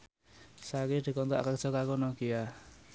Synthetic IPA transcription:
sakid̪̥i̤kɔnt̪a̰ʔkakɔ̤kakunɔɡija

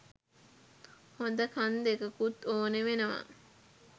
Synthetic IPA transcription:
hond̪əkʰand̪ekəkut̪ːoːneʋenɐʋa̰

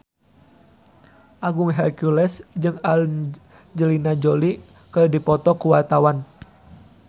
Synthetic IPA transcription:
ʔaɡuŋɦɛlkulɛsd͡ʒɨŋaln | d͡ʒəlinad͡ʒoli | kərdipɔt̪ɔkuwat̪awan

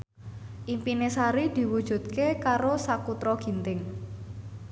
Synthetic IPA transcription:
ʔimpinesaɾid̪̥i̤wud̥ʒ̥ṳt̪̚kekaɾosakut̪ɾɔɡ̥i̤nt̪ɪŋ

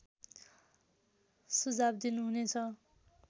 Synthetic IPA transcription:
sud͡zabd̪inuɦunet͡sʰʌ

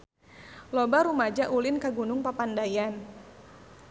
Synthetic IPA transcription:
lɔbaɾumad͡ʒaʔulɪnkaɡunʊŋpapandajan

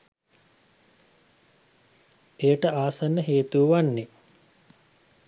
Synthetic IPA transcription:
ejəʈəaːsanːəɦeːt̪uːʋanːe

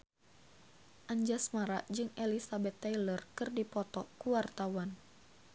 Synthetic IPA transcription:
ʔaɲd͡ʒasmaɾaʔd͡ʒɨŋelisabɛt̪ːalərkɨrdipɔt̪ɔkuwart̪awan

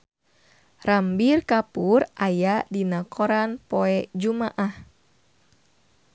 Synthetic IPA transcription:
rambirkapurʔajadinakʰɔɾanpɔɛd͡ʒumaʔah

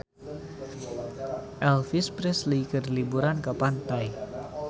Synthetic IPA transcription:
ʔɛlfispɾɛslikərlibuɾankəpant̪aj

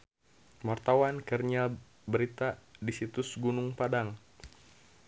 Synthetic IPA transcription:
mart̪awankərɲa | bəɾit̪adisit̪ʊsɡunʊŋpadaŋ

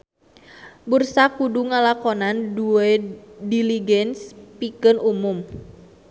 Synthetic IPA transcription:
bursakuduŋalakɔnanduɛdiliɡɛnspikɨnumum

